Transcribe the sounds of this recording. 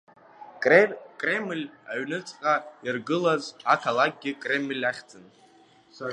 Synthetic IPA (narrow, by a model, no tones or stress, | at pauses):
kʼre̞mlʲaɥnɨt͡sʼqʼairɡɨlazakʰalak̚ʼɡʲɪkʼre̞mlʲaχʲt͡sʼɨn